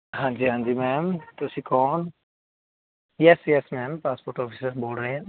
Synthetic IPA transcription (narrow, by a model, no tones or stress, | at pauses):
ɦãːnd͡ʒiɦãːnd͡ʒimɛːmt̪osikɔːn | jɛsjɛsmɛːmpaːspoːɾʈɔpʰisəɾsboːlɖɾɐɛ̃